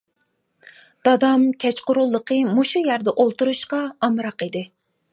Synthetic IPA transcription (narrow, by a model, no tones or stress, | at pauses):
d̪̥ɑd̪ɑmkʲʰɛt͡ʃqʊɾulˠːəqʰəmuʃujæɾd̪ɛʔolˠt̪uɾuʃqɑɑmɾɑqid̪ɪ